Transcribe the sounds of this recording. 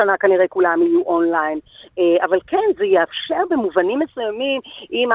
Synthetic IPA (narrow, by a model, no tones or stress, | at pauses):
anakaniʁekulamijuʔonlajneavalkenzejeafʃe̞ʁbemuvanimːesujamimʔim